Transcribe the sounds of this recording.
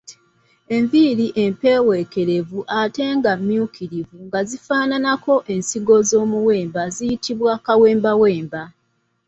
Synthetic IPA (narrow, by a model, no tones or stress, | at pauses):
e̞ɱviɾiʔe̞mpe̞ːwe̞ke̞ɾe̞vuʔate̞ːŋɡamːjukʰiɾivuŋɡazifaːnanako̞ʔe̞nsiɡo̞zo̞ːmuwe̞ːmbazijitʰiβwakaweːmbawe̞ːmba